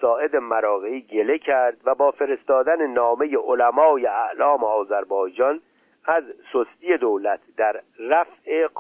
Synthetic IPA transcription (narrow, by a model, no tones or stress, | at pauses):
sɒːʔe̞d̪e̞mæɾɒːɣeiːɟe̞lecʰæɾd̪væbɒːfe̞ɾe̞st̪ɒːd̪ænenɒːme̞jeʔolæmɒːjeæʔlɒːmeɒːzæɾbɒːjd͡ʒɒn | æzsost̪ije̞d̪owlæt̪ʰd̪æɾːæfʔe